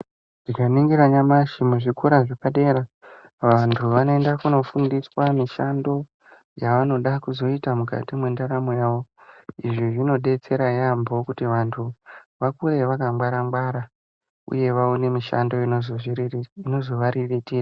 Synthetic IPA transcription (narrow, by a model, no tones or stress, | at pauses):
ʐ̥ikaniŋɡiɾaɲamaʃimuʐikuɾaʐepaɗe̞ɾa | ʋantʰuʋano̞endakuno̞fundiswamiʃando̞ | jaʋano̞ɗakuzo̞itamuka̰timwe̞ndaɾamo̞jaːʋo̞iʐiʐino̞ɗe̞t͡se̞ɾajambo̞kutiʋantʰuʋakure̞ʋakambwaɾambwaɾa | ṵje̞ʋaone̞miʃa̰ndo̞inozoiriino̞zo̞ʋaɾiʋitiːra